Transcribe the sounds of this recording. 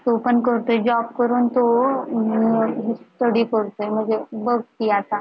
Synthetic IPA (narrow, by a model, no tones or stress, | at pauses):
t̪opənkəɾt̪ojd͡ʑɔb̚kəɾuːnt̪o | ɦisʈəɽikəɽt̪ojm̤əɳd͡zebəɡt̪iat̪a